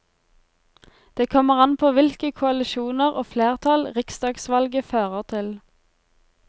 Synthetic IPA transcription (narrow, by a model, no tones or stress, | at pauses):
d̪̥eːkʰɔməʁɑnpʰoːʋɪlkəkʰʊɑlɪʃuːnəʁoːfleːʁt̪ʰɑlʁɪksd̪ɑːɡsʋɑlɡəføːʁəʁt̪ʰɪl